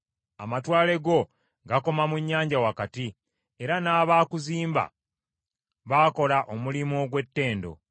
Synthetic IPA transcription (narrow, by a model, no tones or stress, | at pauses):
a̰matwaːle̞ɡo̞ | ɡako̞mamuɲːaːɲɟawakati | e̞ɾanaːβaːkuziːmba̰ | βaːko̞laʔo̞mulimoɡwe̞tːe̞ːndo̞̰